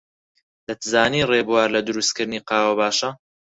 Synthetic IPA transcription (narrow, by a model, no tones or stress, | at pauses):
d̪̥ɐt̪zaːniːreːbuwaːɾlɐd̪ʊɾust̪̚kɨɾd̪niːqɑːwɐbaːʃɐ